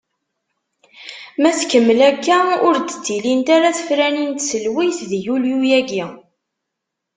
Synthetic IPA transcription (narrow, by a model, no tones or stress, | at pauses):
mæθkəmːəlækːæʊɾd̪ə̥t͡s̪ːilint̪aɾæθə̥fɾænint̪səlwiθðjuljujæɡi